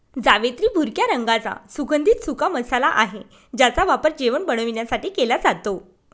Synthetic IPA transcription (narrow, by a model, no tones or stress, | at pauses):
d͡zaʋet̪ɾiːbʱuɾkjaɾəŋɡat͡sa̰suɡənd̪ʱiːt̪sukaməsalaʔaɦe | d͡ʑat͡saʋapəɾd͡ʑeʋəɳbəɳ̃əʋiɳjasaʈiːkelad͡zat̪o